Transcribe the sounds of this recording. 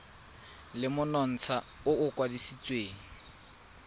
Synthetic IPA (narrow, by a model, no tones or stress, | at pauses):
lɪmʊnɔn̩t͡sʰaʊʊkʼwadisit͡sʼweːŋ̩